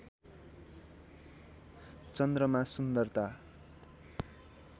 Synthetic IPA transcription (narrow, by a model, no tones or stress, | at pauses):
t͡sʌnd̪rʌmasund̪ʌrt̪a